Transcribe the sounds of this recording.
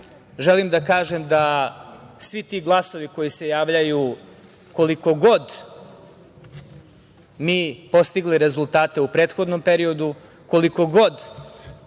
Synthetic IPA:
ʒelimd̪akaːʒemd̪a | sʋit̪iɡlˠaso̞ʋiko̞jise̞jaːʋʎaju | ko̞liko̞ɡo̞d̪ | miːpo̞st̪iɡliɾe̞zulˠt̪aːt̪e̞upɾeːt̪xod̪no̞mpeɾio̞d̪u | ko̞liko̞ɡo̞d̪

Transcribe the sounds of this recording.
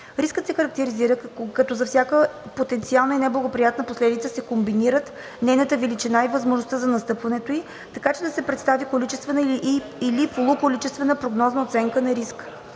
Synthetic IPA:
ɾiskət̪sɛxəɾɐk̚t̪ɛɾiziɾəkɐt̪ɔzɐfsʲjakəpot̪ɛnt̪sialˠnəinɛblˠɐɡopɾijat̪nəposlɛd̪it̪səsɛkombiniɾət̪ | nɛjnət̪əvɛlit͡ʃinaivɐzmoʒnost̪əzɐnɐst̪ɤpvɐnɛt̪oi | t̪ɐkat͡ʃɛd̪ɐsɛpɾɛt̪st̪avikolit͡ʃɛst̪vɛnəʔ | ilipolˠʊkolit͡ʃɛst̪vɛnəpɾoɡnɔznəot̪sɛŋkənɐɾisk

